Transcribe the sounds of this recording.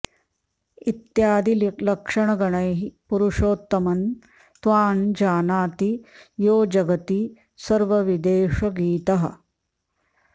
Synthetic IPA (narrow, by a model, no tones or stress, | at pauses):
it̪jaːd̪illɐkʂɐɳɐɡɐɳɐjɦipuɾuʂoːt̪ːɐmɐn | t̪ʋaːnd͡ʒaːnaːt̪ijoːd͡ʒɐɡɐt̪i | sɐɾʋɐʋid̪eːʂɐɡiːt̪ɐɦɐ̰̆